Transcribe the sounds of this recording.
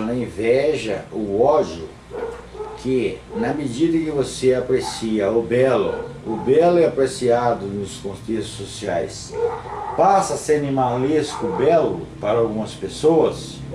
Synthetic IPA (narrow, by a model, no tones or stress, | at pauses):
nɐĩvɛʒɐʊɔd͡ʒjʊ | kʰɪnɐmed͡ʒid̪ɐkɪvoseapɾesiɐʊbɛlʊ̰ʊbɛlʊɛapɾesiad̪ʊnʊskõt̪et̪ʊ̥sosia̰js | pasɐsẽnĩmaliskʊbɛlʊ̰paɾɐawɡũmɐspesowɐs